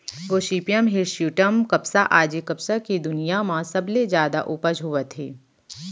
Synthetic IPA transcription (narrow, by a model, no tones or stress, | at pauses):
ʋoːʃiːpjəmɦɪɾʃjuːʈəmkɐpsaʔaːd͡ʒikɐpsakid̪ʊnijamãsɐbled͡ʒjaːd̪a̰ʔupəd͡ʒɦʊʋət̪ʰḛː